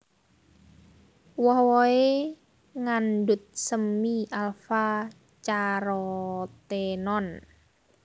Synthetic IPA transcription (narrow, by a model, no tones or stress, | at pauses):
wɔhwɔe | ŋandʊt̪̚səmːialfa | t͡ʃaɾɔt̪enɔn